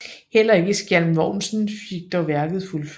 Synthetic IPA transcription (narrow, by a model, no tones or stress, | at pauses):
hel̰ɐe̝ɡ̥əsɡ̥jælmʋɒʊ̰nsn̩fiɡ̥̚d̥ɒʋæɐɡ̥ð̩ˠfulf